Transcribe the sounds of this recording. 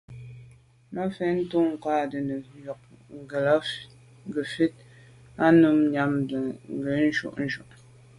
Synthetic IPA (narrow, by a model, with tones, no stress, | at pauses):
ma˦fɛ˦n̩˦tu˦ŋ̩˨kaː˦˨də˨nə˨˦jɔ˨k̚ŋ̩˨ɡə˨la˦ | ɡə˨fi˦t̚ | a˦nu˦m˦ɲa˦mdə˨ŋ̩˦˨ɡə˨˦n̩˦ʒṵ˦ʔn̩˦ʒṵ˨ʔ